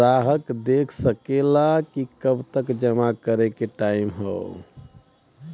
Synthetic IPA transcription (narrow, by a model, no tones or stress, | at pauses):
aɦəkd̪ekʰsəkelakikəbt̪əkd͡ʒəmakəɾekeʈaimɦə̰ʊ